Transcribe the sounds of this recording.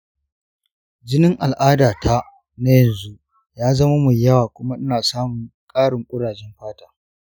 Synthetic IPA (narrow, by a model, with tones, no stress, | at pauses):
d͡ʒɪ˦nɪ˦ŋʔa˨lʔaː˦daː˨tʰa˦ | na˦jɐ˨nzu˦ | jaː˦zɐ˦ma˦mu˨jɐ˦waː˨kʷʊ˦ma˦ʔɪ˦naː˨saː˦mʊ˨ŋkʼaː˦ɽɪ˨ŋʔkʷʼʊ˦ɽaː˨d͡ʒɛ˦mɸaː˦taː˨